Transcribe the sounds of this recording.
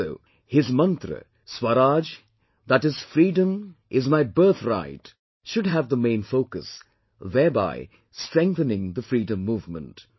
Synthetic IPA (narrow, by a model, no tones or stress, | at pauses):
oʊ | hɪzmʌ̃nt̪ɾə̰ | swəɾad͡ʒ | ðætɪz̥fɾiːdə̃mʔɪzmaɪbɜ˞θɾa̰ɪt | ʃʊdɦævðəmẽɪ̃nfoʊkəs | ðɛːba̰ɪ | stɹɛ̃ŋk̚θənɪ̃ŋðəfɾiːdə̃mːuːvmə̰̃nt